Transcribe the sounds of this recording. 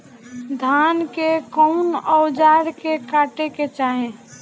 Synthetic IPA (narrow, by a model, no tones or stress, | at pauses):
d̪ʱaːnkekɔʊnɔʊd͡ʒaːɾkekaʈeket͡ʃaːɦẽ